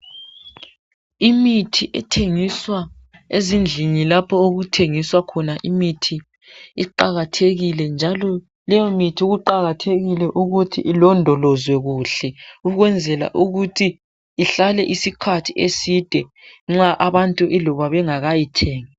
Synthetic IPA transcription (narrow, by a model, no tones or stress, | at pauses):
imitʰiʔɛ̰tʰeŋiswa | ezind͡ɮʱiɲilapʰɔoɣutʰeŋiswakʰɔnaʔimitʰiː | ǃaɣatʰeɣilɛnd͡ʒʱalɔ | lɛjɔmitʰiuɣuǃaɣatʰeɣilɛʔuɣutʰḭʔilɔndʱɔlɔzwɛɣuɬɛuɣwɛnd͡zʱɛla̰ʔuɣutʰiː | ɬalɛʔisikʰatʰiesid̥ʱɛŋ͡ǁaʔaβantʼuʔɛlɔβaβɛŋaɣajitʰeːŋi